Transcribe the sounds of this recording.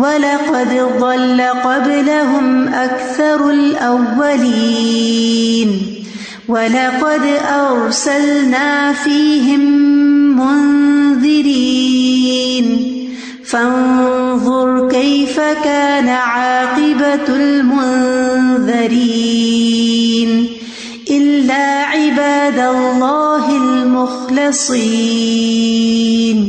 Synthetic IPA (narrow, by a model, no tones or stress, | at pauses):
walɑqɑd̪ðˤɑlːaqɑblaɦʊmʔakθɑɾˤalʔawːaliː | n | walɑqɑd̪ʔɑɾsalnaːfiːɦɪmː | ʊnðˤɪɾiː | n | fanðˤʊɾˤkajfakaːnaʕɑːqɪbalmʊnðɑɾiː | n | ʔɪlːaːʕɪbaːd̪alˤːɑːɦɪlmʊxlɪsˤiː | n